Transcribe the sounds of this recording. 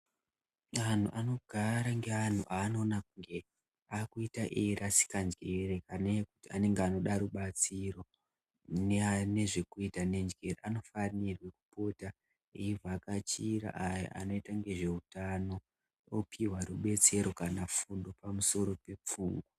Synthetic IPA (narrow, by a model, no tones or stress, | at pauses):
an̤ṵʔano̞ɡʱaɾaŋɡe̞an̤ṵʔaːno̞ːnakuŋɡe | akuitaʔeɾasi̥kand͡ʒɡerekaneku̥tiane̞ŋɡeano̞ɗaɾuɓat͡siro̞ | neane̞ʐe̞kuitane̞nd͡ʒɡereʔano̞fanirwe̞ku̥po̞ta | eivʱakat͡ʃiɾa̰ʔaja̰ʔa̰no̞itaŋɡe̞ʐe̞utano̞ | opʰiwaruɓe̞t͡se̞ɾo̞kanafundo̞pamuso̞ɾo̞pe̞p͡fuːŋɡo